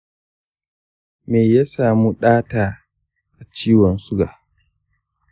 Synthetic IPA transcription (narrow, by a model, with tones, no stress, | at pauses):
meː˨jaː˦saː˨mu˦ɗaː˦taː˨ | ʔa˨t͡ʃiː˦wɔ˨nsʊ˦ɡa˨ʔ